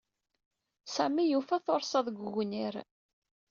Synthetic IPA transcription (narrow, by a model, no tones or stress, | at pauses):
sæmijufæθoɾˤsˤɑðˤɡʷɣniɾ